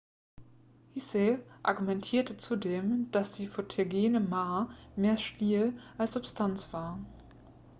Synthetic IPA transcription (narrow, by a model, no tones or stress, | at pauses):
hiseʔa̰ɐɡumɛntʰiːɐtət͡sudeːmd̥asd̥iːfotʰeɡeːnəmaːmeːɐʃtiːlʔalsz̥ʊpstʰant͡sv̥aːɐ